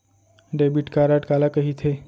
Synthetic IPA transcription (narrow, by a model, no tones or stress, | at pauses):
ɖeːbiʈkaːɾaːʈkaːlakəɦit̪ʰe